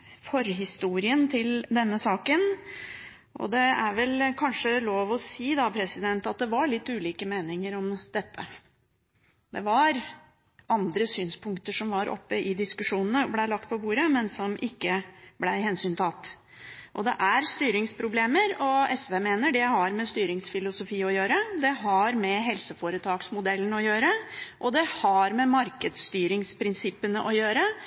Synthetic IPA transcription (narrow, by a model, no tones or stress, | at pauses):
fɔɾɦɪst̪uːɾɪənt̪ʰɪld̪ɛnːəsɑːkən | ʔɔ̰d̪ɛæɾʋɛlkʰɑnʂəloːʋɔsiːd̪ɑpʰɾɛsɪd̪ɛnt̪ɑt̪̚d̪ɛʋɑɭɪt̪ːʉːliːkəmeːnɪŋəɾɔmd̪̥ɛt̪ːə̰ | d̪ɛʋɑɾ | ʔɑnd̪ɾəsyːnspʰʊŋk̚t̪əʂɔmʋɑɾʔɔ̰pːəʔɪd̪ɪskʉʂuːnən̩əɔblæɪlɑk̚t̪̚pʰɔbuːɾəmɛnsɔmʔɪkːəblæɪɦɛnsyːnt̪ʰɑt̪ː | ʔɔd̪ɛ̰ʔæɾst̪yːɾɪŋspʰɾʊbleːməɾɔɛsʋeːmeːnəɖɛhɑɾmɛst̪yːɾɪŋsfɪlʊsʊfiːɔjøːɾəd̪ɛɦɑɾmɛɦɛlsəfoːɾət̪ʰɑːksmʊd̪ɛlːənəɔjøːɾəʔɔd̪ɛhɑɾmɛmɑɾkəd̪st̪yːɾɪŋspʰɾɪnsɪpːənəʔɔjøːɾə